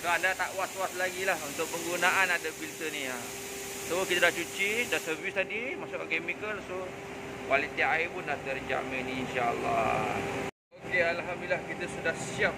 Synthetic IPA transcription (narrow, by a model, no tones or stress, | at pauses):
soadat̪aʔwat̪waslaɡilahunt̪ʊk̚pəŋɡunaʔanadəbilt̪ənĩa | sokit̪adat͡ʃut͡ʃidaʔsəvist̪adimasʊkkɛmikəlso | walit̪iaʔaipʊndaht̪ərd͡ʒa̰ʔmeniːnʃaa̰lːɑ̰ | okealɦamdililahkit̪əsudahsiap̚